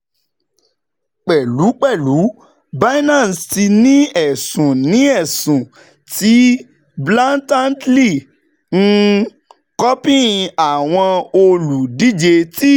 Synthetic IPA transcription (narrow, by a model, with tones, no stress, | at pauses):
k͡pɛ˨lu˨˦k͡pɛ˦˨lu˨˦ | ba˦i˦nã˦˨sti˧nĩ˦ɛ˨sũ˨nĩ˨˦ɛ˦˨sũ˨ | ti˨˦ | blã˦ntã˦ntli˦˨ | ŋ̩˦ | kɔ˦pĩ˦˨˧a˨w̃ɔ̃˧o˧lu˨di˦d͡ʒe˧ti˦